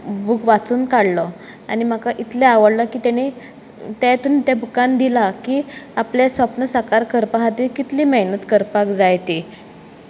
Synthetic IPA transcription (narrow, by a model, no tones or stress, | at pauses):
bukʋat͡suːnkaɽlɔ | a̰ñim̤akaʔit̪leaʋəɽləkiːt̪ɛɽ̃i | t̪ɛt̪uːnt̪ɛbukand̪ilakiːaplesʋapnəsakaɾkəɾpaɦat̪ikit̪liːməɦnət̪kəɾpakd͡zajt̪i